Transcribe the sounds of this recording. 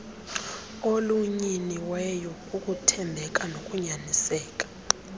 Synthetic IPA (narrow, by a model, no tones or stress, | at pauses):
oluɲiniwɛjɔ | ukʼutʰɛmbʱɛkʼanokʼuɲanisɛːk̬ʼḁ